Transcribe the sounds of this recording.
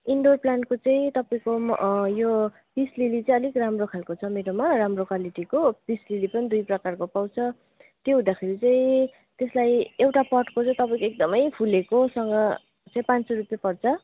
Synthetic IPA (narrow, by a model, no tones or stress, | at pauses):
iɳɖorplankot͡sãĩt̪ʌpaĩkojo | pislilit͡sʌ̃ĩʌlikramrokʰalkot͡sʰʌmeɾomaɾamrokʰaliʈikopislilipʌnid̪ujprʌkarkopaw̃t͡sʰʌ | t̪joɦũd̪akʰeɾit͡sãĩ | t̪eslajewʈapʌʈkot͡sʌ̃ĩt̪ʌpaĩkoek̚d̪ʌmʌjpʰulekosʌŋɡʌ | t͡sʌ̃ĩpãnt͡soɾupjepʌrt͡sʰʌ